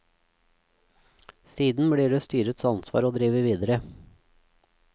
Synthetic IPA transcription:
siːd̪n̩bɽiːɖeːst̪yːɾət̪sɑnsʋɑ̰ːɾoːd̪ɾiːʋəʋiːd̪əɾə

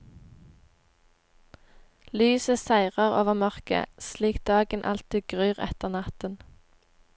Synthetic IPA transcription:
lyːsəsæɪʁəʁoːʋəʁmœʁkə̰sliːkt̪̚d̪ɑːɡənʔɑ̰lt̪iːɡʁyːʁɛ̰t̪əʁnɑt̪ən

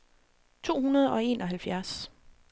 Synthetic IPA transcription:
t͡sʰo̝̰ːhunɐð̞̩ˠɒ̽e̝̰ːnʔɒ̽ɦælfjæɐs

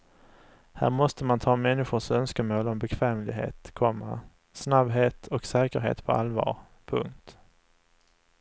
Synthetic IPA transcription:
hæ̰ːɾmɔst̪əmant̪ʰɑːmɛnːɪɧʊʂœnskəmoːlɔmbɛkʰv̥ɛːmlɪɡɦḛːt̪kʰɔmːa̰ | snabɦeːt̪ʰɔksɛːkəɾɦḛːt̪pʰɔʔa̰lvɑ̰ːɾ | pʰɵŋk̚t̪

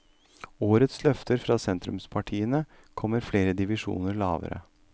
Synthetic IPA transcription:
oːɾət̪slœft̪ʰəɾfɾɑːsɛnt̪ɾʉmspʰɑʈʰiːənə | kʰɔmːəɾfleːɾəd̪ɪʋɪʂṵːnəɾɭɑːʋə̰ɾə̰

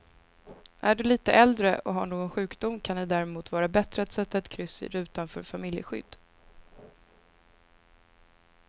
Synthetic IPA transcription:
ʔæɖɵliːt̪əʔɛld̪ɾəʔɔɦaɳoːɡɔnɧʉ̟ːkd̪ʊmkʰanɪd̪æɾɛmuːt̪vɑːɾabɛt̪ɾəɛt̪sɛɛt̪ːɛt̪kʰɾʏsːɪ̰ɾʉ̟ːt̪anfœ̰ːɾfamɪljə̰ɧʏ̰d̪ː

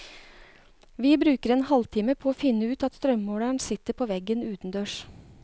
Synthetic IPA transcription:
ʋiːbɾʉːkəɾɛnhɑlt̪ʰiːməpʰoːoːfɪnːəʉːt̪ɑt̪st̪ɾœmːoːɽæɳsɪt̪ːəɾpʰoːʋɛɡənʉːt̪n̩d̪øːʂ

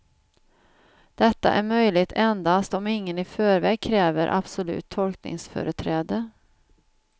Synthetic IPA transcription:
d̪̥ɛt̪ːa̰ʔæ̰ɾmœjlɪt̪ʰɛnd̪ast̪ɔmɪŋːənɪfœːɾvɛːɡ̚kʰɾɛːvəɾʔa̰b̥sʊlʉ̟̰ːt̪ʰːɔlknɪ̰ŋsfœ̰ːɾət̪ʰɾɛːd̪ə

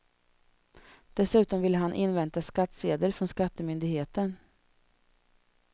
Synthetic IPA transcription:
d̪̥ɛsʉ̟ːt̪ɔmvɪlːəɦanʔɪnvɛnt̪askat̪ːseːd̪əɾfɾɔnskat̪ːəmʏnd̪ɪɡheːt̪ən

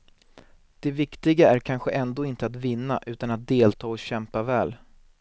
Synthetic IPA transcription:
d̪̥ɛvɪkt̪ɪɡaæɾkʰanɧəʔɛnd̪oːɪnt̪əat̪vɪnːaʔʉ̟ːt̪anat̪̚d̪eːlt̪ʰɑːɔɕɛmpavɛːl

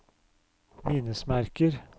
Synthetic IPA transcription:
miːnəsmæɾkəɾ

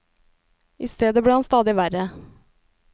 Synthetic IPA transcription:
ʔɪst̪eːd̪əbɽiːhɑnst̪ɑːd̪ɪʋæɾə

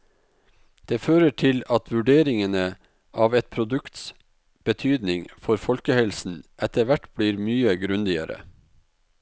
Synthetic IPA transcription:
d̪̥eːføːɾəʈʰɪlɑt̪ʰʋʉɖeːɾɪŋənə | ʔɑːʋɛt̪̚pʰɾʊd̪ʉkt̪s | b̥ət̪ʰyːd̪nɪŋfɔɾfɔlkəhɛlsn̩ʔɛt̪əʋæʈb̥liːɾmyːəɡɾʉnd̪ɪə̰ɾə̰

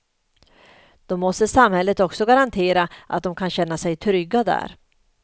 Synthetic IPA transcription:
d̪̥ɔmːɔst̪əsamhɛlːət̪ɔksɔɡaɾant̪ʰeːɾaʔa̰t̪̚d̪ɔmkʰanɕɛnːasɛjt̪ʰɾʏɡːad̪æ̰ːɾ

